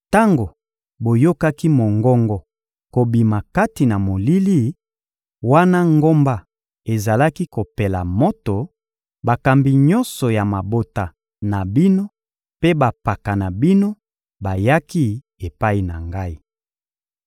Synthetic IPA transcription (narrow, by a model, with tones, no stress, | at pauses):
ta˦ŋɡo˨ | bo˨jo˦ka˦ki˦mo˨ŋɡɔ˦ŋɡɔ˨ | ko˨bi˨ma˨ka˦ti˨na˨mo˨li˦li˦˨ | wa˦na˦ŋɡo˦mba˦ | e˨za˨la˦ki˦ko˨pe˨la˨mo˦to˨ | ba˨ka˨mbi˨ɲɔ˦nsɔ˨ja˨ma˨bo˦ta˨ | na˨bi˦no˦ | pe˦ba˨pa˨ka˨na˨bi˦no˦ | ba˨ja˦ki˦ | e˨pa˦i˦na̰˨ŋɡa˦i˦